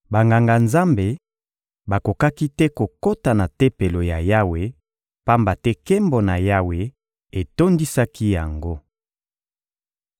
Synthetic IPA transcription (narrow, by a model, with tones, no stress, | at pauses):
ba˨ŋɡa˨ŋɡa˨nza˦mbe˨ | ba˨ko˨ka˦ki˦tɛ˦ko˨ko˦ta˨na˨tɛ˦pe˨lo˨ja˨ja˦we˨ | pa˦mba˨tɛ˦kɛ˦mbo˨na˨ja˦we˨ | e˨to˦ndi˦sa˦ki˦ja˨ŋɡo˦